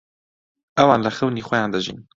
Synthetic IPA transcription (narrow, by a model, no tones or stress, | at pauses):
ʔɛwɑːnləxəwniːxʷɛjãːnd̪əʒḭːn